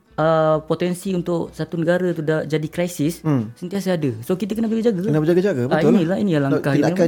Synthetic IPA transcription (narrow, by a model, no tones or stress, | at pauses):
əpot̪ɛnsiunt̪ʊʔsat̪unəɡaɾat̪udad͡ʒadikɾajsɪsːənt̪ias̬adəsokit̪akənabd͡ʒaɡad͡ʒaɡaənabəd͡ʒaɡad͡ʒaɡabəinilaḭnijalaŋkahiaa